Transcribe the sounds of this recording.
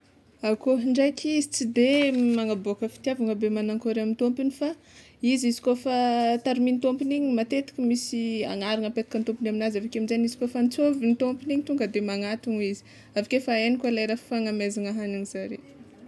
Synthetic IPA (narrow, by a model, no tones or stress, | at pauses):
akoɦɳɖ͡ʐajkʲʰizit͡sid̪emaŋaboakəfi̥t̪iavaŋəbemanaŋkoɾamint̪ompinifa | izizi̥kofat̪aɾimint̪ompiniɲimat̪et̪ḁkʲəmisia̰ŋaɾaŋəpet̪ḁkant̪ompinaminazavakeamizaɲizi̥kofanit͡sovinit̪ompiniɲit̪uŋɡəd̪emaŋat̪uŋizi̥ | avakefaenikalajɾaffaŋamezaŋaɦaniniz̥aɾe